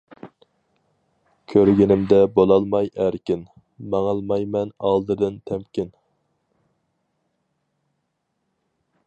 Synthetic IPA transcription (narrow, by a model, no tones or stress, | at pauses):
kʲʰøɾɡʲɪnɪmd̪ɛbolˠɑlˠmɑjæɾkʲɪn | mɑŋɑlˠmɑjmɛnɑlˠd̪ɨd̪ɨnt̪ʰɛmkʲɪn